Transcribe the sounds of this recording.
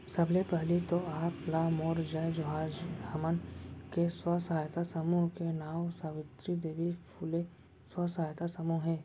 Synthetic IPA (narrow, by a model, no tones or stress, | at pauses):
sɐbʱlepəɦlit̪oaːplamoːɾd͡ʒəd͡ʒoɦaːd͡ʒɐmənkeswəsaːjt̪asəmuːɦkenaːwsaːʋɪt̪ɾid̪eːʋipʰule | swəsaajt̪asəmuɦɦɛ̃ː